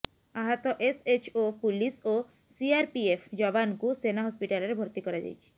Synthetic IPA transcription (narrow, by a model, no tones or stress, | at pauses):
aɦat̪ɔʔeset͡ʃopuliso | siaɾpiepʰd͡ʒɔbankusenaɦɔspiʈalɔɾebʱoɾt̪ikɔɾad͡ʒa̰jt͡ʃʰi̥